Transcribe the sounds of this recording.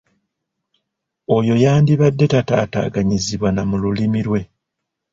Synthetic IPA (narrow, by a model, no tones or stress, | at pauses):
o̞jo̞jaːndiβadːe̞tata̰ːta̰ːɡaɲiziβwanamululimiɾwe̞